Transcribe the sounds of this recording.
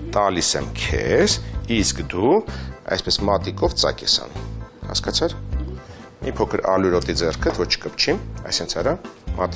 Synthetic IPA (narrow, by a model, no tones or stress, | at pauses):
t̪ɑlisɛmkʰɛ̰siskd̪uɑ̰jspɛsmɑt̪ikɔvt͡sɑ̰kɛsɑ̰nuhɑ̰skɑt͡sʰɑɾ | mʔipʰɔkʰəɾɑluɾɔt̪id͡zɛrkʰət̪ʰvɔt͡ʃʰkəpt͡ʃʰimɑ̰jsɛnt͡sʰɑɾɑmʔɑt̪i